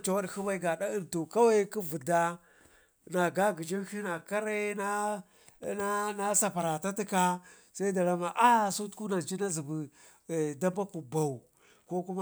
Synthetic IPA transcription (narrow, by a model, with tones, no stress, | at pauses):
t͡ʃa˨wa˦dxi˦ba˦i˦ɡa˨ɗa˦i˨ntu˨ka˦wa˦ki˦vi˨da˦ | na˨ɡa˦ɡi˨d͡ʒi˦ʃi˦na˨ka˦ɾe˦na˦ | na˦sa˨pa˨ɾa˨ta˦ti˦ka˦ | sa˦i˦da˨la˦ma˨ʔa˦˨su˦tku˦na˨d͡ʒi˦na˦zi˨bi˨ | da˦ba˦ku˨ba˨u˨ | ko˦ku˦ma˦